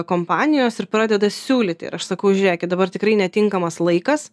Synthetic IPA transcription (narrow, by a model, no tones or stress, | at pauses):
koːmpɑːnʲɪjoːsɪɾpɾɑːd̪ʲɛd̪ɐsʲuːlʲɪt̪ʲɪɪ̰ʔɐʃsɐkɐʊʒʲʊɾʲeːkʲɪt̪d̪ɐbɐrt̪ʲɪkɾɐɪnʲɛt̪ʲɪŋkɐmɐslˠɐɪkɐs